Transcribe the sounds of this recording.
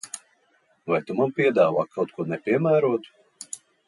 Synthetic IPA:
vajt̪umanpʲiɛd̪aːva̰ːkʰawt̪̚kuɔnɛpʲiɛmæːɾuɔt̪u̥

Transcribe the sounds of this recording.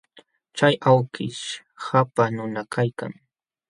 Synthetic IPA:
t͡ʃajawkɪʃ | hapanʊnakʰajka̰ŋ

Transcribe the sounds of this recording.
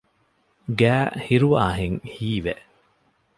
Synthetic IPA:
ɡæːhiɾuʋa̰ːɦeŋhiːʋeʔ

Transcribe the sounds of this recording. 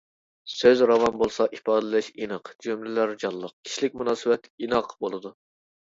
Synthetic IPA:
søzɾɑvɑnbolˠsɑʔipɑːd̪ɛlʃinɨqd͡ʒymlɪlæɾd͡ʒɑlˠːəq̚kʲʰi̥ʃilɪk̚ʲmunɑːsɨwɛt̪inɑqbolˠɨd̪u

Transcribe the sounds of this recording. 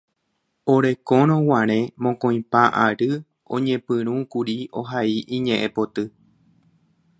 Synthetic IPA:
oɾe̞kõɾ̃õwãɾ̃ẽ̞mõkõj̃paʔaɾɨ | õ̰ɲẽpɨ̃ɾ̃ũkuɾioɦaiʔĩɲẽʔẽpo̞t̪ɨ

